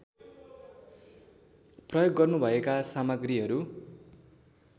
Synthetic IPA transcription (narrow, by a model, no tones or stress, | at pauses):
prʌjoɡːʌrnubʱʌekasamʌɡriɦʌɾu